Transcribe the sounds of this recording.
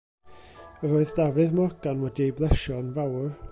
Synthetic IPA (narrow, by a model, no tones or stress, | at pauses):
əɾoːɨðd̥avɨðmɔrɡanwɛdiejblˠɛʃɔnvawr